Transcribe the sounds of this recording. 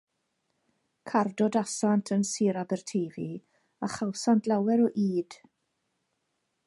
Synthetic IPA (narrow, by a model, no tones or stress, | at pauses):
kʰardɔdasantʰənsiːɾabɛrtʰejvi | aχawsantʰlˠawɛɾɔʔiːd̥